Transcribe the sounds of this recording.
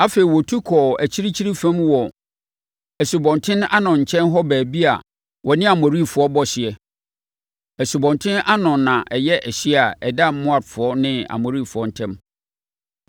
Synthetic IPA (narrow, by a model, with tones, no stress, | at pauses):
a˦fe˨i˨wɔ˨tʰu˦kʰɔː˨æ˨t͡ɕʰi˦ɾi˦t͡ɕʰi˦ɾi˦fæ̃˦mwɔ˨ | æ˨su˨bɔ̃˨ntʰɪ̃˦na˦nʊ̃˨ɲ̩˨t͡ɕʰɛ̃˦nɦɔ˦bæː˨bi˦a̰˨ | wʔɔ˨nɪ̃˦a˨mɔ̃˨ɾi˦˨fʊ˨ɔ˦bɔ˦ɕɪ˨ɛ˨ | æ˨su˨bɔ̃˨ntʰɪ̃˦nʔa˦nʊ̃˨nːã˨ʔɛ˨jɛ˦ʔɛ˨ɕi˦a˨ɛ˨da˦m˦mʊ̃˦a˨dfʊ˨ɔ˦nɪ̃˦a̰˨mɔ̃˨ɾi˦˨fʊ˨ɔ˦n̩˦tʰɛ̃˦m